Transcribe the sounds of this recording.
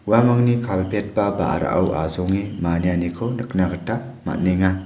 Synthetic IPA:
uwamaŋnikʰalpʰet̚baba̰ʔa̰ɾa̰ʔa̰wa̰zoŋimanijanikʰonɯknaɡɯta | ma̰t̚neŋa

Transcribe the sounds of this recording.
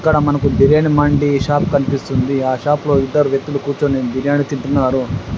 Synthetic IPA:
kːɐɽɐmɐnɐkud̪iɾeːnimɐɳɖiʃaːp̚kɐnipist̪und̪iaːʃaːplo̞ːid̪ːɐɾuʋjek̚t̪ːulukuːt͡ʃoːneːnd̪iɾjaːnit̪iɳʈunːaːɾu

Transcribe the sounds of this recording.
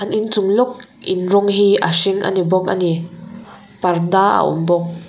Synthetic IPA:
ʔanʔint͡sʊŋlɔk̚ | ʔɪnrɔŋɦiʔa̰siŋʔa̰nibɔk̚ʔa̰ni | pardaa̰ʔʊ̰mbɔk̚

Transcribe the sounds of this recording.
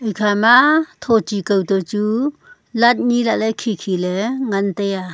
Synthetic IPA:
ʔejkʰamat̪ʰɔt͡ʃikəwt̪ɔt͡su | lat̪̚nilaʔlajkʰikʰilɛŋant̪eja

